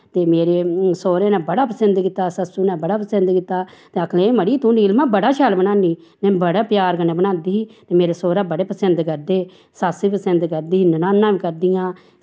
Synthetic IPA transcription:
t̪eːmeːɾeːsoːɾẽːnɛ̃ːbəɽaːpəsənd̪kɪt̪ːaːsəsuːnɛːbəɽaːpəsənd̪kɪt̪ːaːt̪eːəkʰlẽːməɽiːt̪ũːniːlmãːbəɽaːʃʰɛːlbənãːniː | nɛ̃ːbəɽaːpjaːɾkənɛːbənãːnd̪iːɦiːt̪eːmeːɾeːsoːɾaːbəɽeːpəsənd̪kəɾd̪eː | saːsiːpəsənd̪kəɾd̪iːiːnənaːnːãːʋiːkəɾd̪ɪjãː

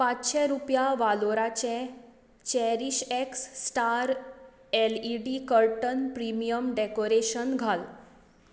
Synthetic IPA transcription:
pãt͡ɕɕɛ̃ɾupjaʋaloɾat͡ɕɛ̃ | t͡ɕɛɾiɕeksːʈaɾ | ɛliɖikəɾʈənpɾimijəmɖɛkoɾeɕənɡʱal

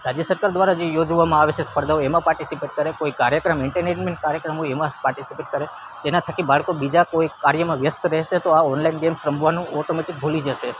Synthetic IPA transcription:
ɾad͡ʒjəsəɾkaɾd̪ʋaɾad͡ʒejod͡ʒʋamãaʋet͡ʃʰespəɾd̪aoemãpaɾʈisipeʈ̚kəɾekoikaɾjəkɾəmɪɳʈəɾned͡ʒmeɳʈ̚kaɾjəkɾəmoemãspaɾʈisipeʈ̚kəɾe | d͡ʒenat̪ʰəkibaɭkobid͡ʒakoikaɾjəmãʋjəst̪ʰəɾɛɦʃet̪oaɔnlainɡemʃɾəmbʱʋanũɔʈomeʈik̚bʱulid͡ʒəʃe

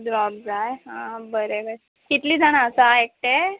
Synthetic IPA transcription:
d͡zʋab̚d͡zajeɦãbəɾebəɾe | kit̪liːd͡zaɽ̃aəsaek̚ʈ̪e

